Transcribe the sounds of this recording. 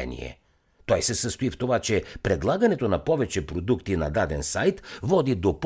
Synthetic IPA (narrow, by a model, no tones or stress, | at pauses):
ɛ̰nḭɛ̰ | t̪ɔjsɛsəst̪oift̪ovat͡ʃɛpɾɛd̪lˠaɡɐnɛt̪onɐpɔvɛt͡ʃɛpɾod̪ukt̪inɐd̪ad̪ɛnsajt̪vɔd̪id̪op